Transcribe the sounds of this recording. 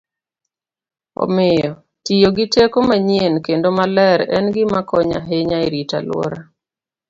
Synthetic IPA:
ɔ̰mɪjɔ | tijoɡɪtekomaɲjenkendomalɛɾɛnɡɪmakɔɲa̰ɦeɲaiɾita̰lʊwɔ̰ɾa

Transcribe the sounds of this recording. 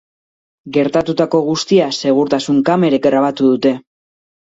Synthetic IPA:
ɡe̞ɾt̪at̪ut̪ako̞ɣ̞ust̪iase̞ɣ̞uɾt̪asuŋkame̞ɾekɡɾaβ̞at̪uðut̪e̞

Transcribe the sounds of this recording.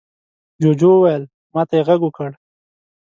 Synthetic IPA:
d͡ʒod͡ʒowajəl | mɑt̪ajeɣaɡʊkəɽ

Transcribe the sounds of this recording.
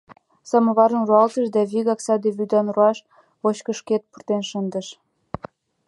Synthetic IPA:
sɑmə̆βɑɾə̆nruɑlt̪əʃd̪ɑβiɣɑksɑd̪eβyd̪ɑnruɑʃ | oɕkə̆ʃket̪̚purt̪enʃənd̪ə̆ʃ

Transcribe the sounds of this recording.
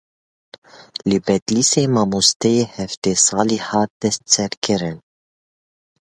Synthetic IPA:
libɛt̪liːseːmɑmust̪ejehɛft̪eːsɑːliħɑːd̪ɛst̪t͡sɛɾkʰɪɾɪn

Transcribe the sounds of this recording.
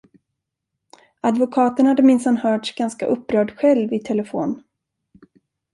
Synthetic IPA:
ad̪vʊkʰɑːt̪əɳhad̪ːəmɪnsanhœːʈʂɡanskaʔɵpːɾœːɖɧɛlvɪt̪ʰɛlɛfo̰ːn

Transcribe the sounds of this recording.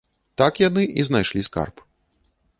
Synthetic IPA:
t̪akjanɨʔiznajʂlʲiska̰rp

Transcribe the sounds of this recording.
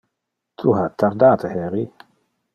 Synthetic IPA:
t̪ʰuɦat̪ːaɾd̪aːt̪əhɛɾi

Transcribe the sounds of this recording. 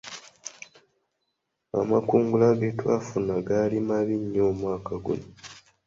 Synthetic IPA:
a̰makuːŋɡulaɡetwa̰ːfunaɡalimaβiɲːoːmwaːkaɡṵno

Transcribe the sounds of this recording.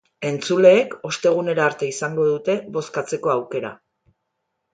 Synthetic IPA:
e̞nt͡sule̞ːko̞st̪e̞ɣ̞une̞ɾaːɾt̪e̞isaŋɡo̞ðut̪e̞βo̞skat͡se̞ko̞awke̞ɾa̰

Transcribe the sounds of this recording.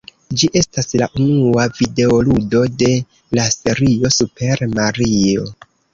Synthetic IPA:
d͡ʒiʔe̞staslaʔunuavide̞oludo̞de̞ | lase̞ɾio̞supe̞ɾmaɾio̞

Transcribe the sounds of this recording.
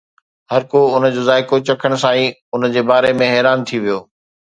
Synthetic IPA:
hɐɾkoʊnə̆d͡ʑoːzaːɪkot͡ɕɐkʰəɽ̃̆sãːĩʊnəd͡ʑeːbaːɾemẽɦɛːɾaːnt̪ʰiʋijoː

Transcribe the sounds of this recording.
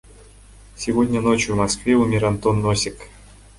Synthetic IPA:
sʲɪvodʲnʲənot͡ɕjuvmɐskvʲeumʲɪɾant̪onːosʲɪk

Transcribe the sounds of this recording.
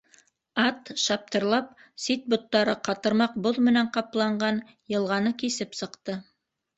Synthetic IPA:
ɑt̪ʃɑp̚t̪ɤ̆ɾlˠɑp̚sit̪̚bŏt̪ːɑɾɤqɑt̪ɤ̆ɾmɑq̚boðmɘ̆næɴqɑplˠɑɴɢɑn | jɤ̆lˠʁɑnɤkisɘpsɤ̆qt̪ɤ

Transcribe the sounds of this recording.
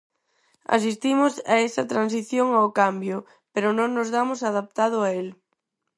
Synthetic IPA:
a̰sist̪imʊsa̰esɐt̪ɾansiθjoŋaokambjʊ | peɾʊnõŋnʊzðamʊsaðap̚t̪að̞ʊael

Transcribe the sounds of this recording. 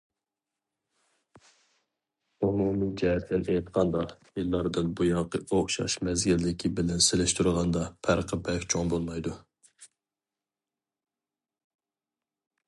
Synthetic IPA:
umumid͡ʒɛɦɛt̪ʰlɪnejt̪qʰɑnd̪ɑjilˠːɑɾd̪ɨnbujɑŋqəʔoχʃɑ̰ʃmɛzɡʲilːɪkʲʰibɪlɛnselɪʃt̪uɾʁɑnd̪ɑpʰæɾqʰəbɛkʲt͡ʃʰoŋbolˠmɑjd̪u

